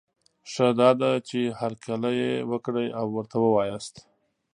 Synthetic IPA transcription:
ʂad̪ɑd̪at͡ʃehaɾkʰalajewəkɽəjawːəɾt̪awəwɑjast̪

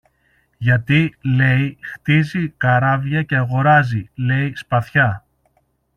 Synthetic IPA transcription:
ʝɐt̪ile̞jixt̪izikɐɾɐvʝɐce̞ɐɣo̞ɾɐzile̞ispɐθçɐ

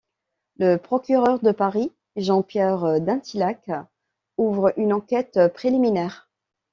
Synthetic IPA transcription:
ləpχɔkʲyʁœʁd̪əpaʁi | ʒɑ̃pjɛʁd̪ɛ̃t̪ilak | uvʁʔynɑ̃kʲɛt̪pχeliminɛːʁ

